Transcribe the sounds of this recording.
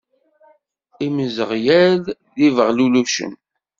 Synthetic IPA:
imzəʁjælðivəʁluluʃə̰m

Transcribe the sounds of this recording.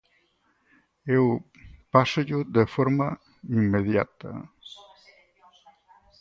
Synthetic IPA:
ew | pasʊʎʊðefoɾma | imːeðja̰t̪ɐ̰

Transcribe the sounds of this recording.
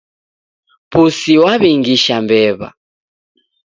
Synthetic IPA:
pusiwaβiŋɡiʃambɛβa̰

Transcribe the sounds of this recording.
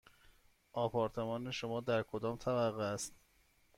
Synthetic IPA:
ʔɒːpʰɒːɾt̪ʰemɒːneʃomɒːd̪æɾkʰod̪ɒːmt̪ʰæbæɣeæst̪

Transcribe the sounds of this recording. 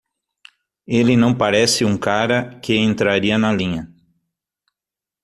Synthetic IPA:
elɪnɐ̃w̃paɾɛsɪũŋkaɾɐkɪẽnt̪ɾaɾiɐnɐlĩɲɐ

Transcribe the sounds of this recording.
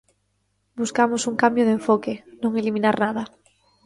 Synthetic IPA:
buskamʊsuŋkambjoð̞eɱfɔkɪnõŋelimĩnaɾnaðɐ

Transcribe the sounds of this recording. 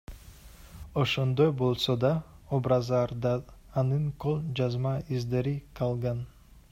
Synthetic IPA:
oʃond̪ojbolˠsod̪aobɾazaɾd̪aːnɨnkʰolˠd͡ʒazmaizd̪eɾikʰalˠɡan

